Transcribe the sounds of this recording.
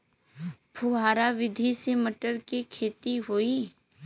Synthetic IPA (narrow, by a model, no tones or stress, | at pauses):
pʰuɦaːɾaʋɪd̪ʱiseməʈəɾkikʰeːt̪iɦoːiː